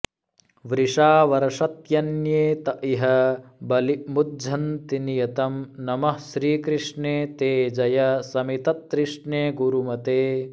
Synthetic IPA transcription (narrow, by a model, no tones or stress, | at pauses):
ʋɾiʂaːʋɐɾɐʂɐt̪jɐnjeːt̪ɐʔiɦɐbɐlimud̪d͡ʒʱɐnt̪inijɐt̪ɐmnɐmɐhʃɾiːkɾiʂɳeːt̪eːd͡ʒɐjɐsɐmit̪ɐt̪ːɾiʂɳeːɡuɾumɐt̪eː